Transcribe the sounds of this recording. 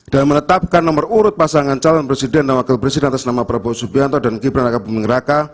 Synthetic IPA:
d̥almənət̪ap̚kanːəməruɾʊt̪̚pasaŋant͡ʃalɔnpɾesidɛndanwakɪlpɾesidɛnat̪asnamapəɾabaasupiant̪ɔdankibɾanɾakabəmiŋɾaka

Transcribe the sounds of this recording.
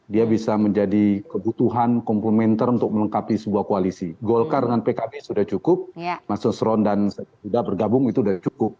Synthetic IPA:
diabisaməɲd͡ʒadikəbut̪uɦankɔmplemɛnt̪ərunt̪ʊk̚mələŋkapisəbuahkoalisiɡɔlkardəŋanpekabesudaht͡ʃukʊp̚masuŋsɾɔndansatasudahbərɡabʊŋit̪uːdat͡ʃukʊp̚

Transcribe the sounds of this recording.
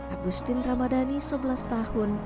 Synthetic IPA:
ʔaɡust̪ɪnramadanisəbəlast̪ahʊn

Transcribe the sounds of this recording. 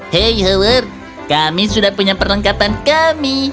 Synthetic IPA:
hejɦələr̚ | kamisudahpuɲapərləŋkapankami

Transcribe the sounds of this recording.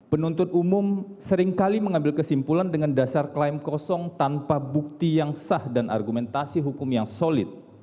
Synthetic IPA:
pənunt̪ʊt̪umʊmsəɾɪŋkaliməŋambɪlkəsimpulandəŋandasarklaimkɔsɔŋt̪anpabuk̚t̪ijaŋsahdanʔa̰rɡumɛnt̪asiɦukʊmjaŋsolɪt̪̚

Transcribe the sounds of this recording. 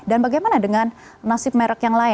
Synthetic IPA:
danbaɡajmanadəŋan | nasɪp̚mɛɾəkjaŋlaɪ

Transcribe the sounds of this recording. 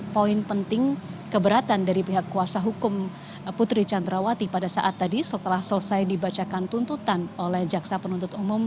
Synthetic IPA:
poɪnpənt̪ɪŋkəbəɾat̪andaɾipiɦakːuasaɦukʊm | put̪ɾit͡ʃand̪ɾawat̪ipadasa̰ʔat̪ːadisət̪əlahsələsajdibat͡ʃakant̪unt̪ut̪anolɛhd͡ʒaksapənunt̪ʊt̪umʊm

